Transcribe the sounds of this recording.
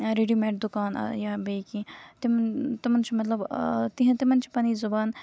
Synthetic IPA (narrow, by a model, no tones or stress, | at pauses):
ɾeɖimeːʈ̚d̪ʊkaːn̰jabejkĩt̪imt̪imɐnt͡ʃʰimɐt̪lɐbt̪iɦɐ̃t̪imɐnt͡ʃʰi̥pɐniːzʊbaːn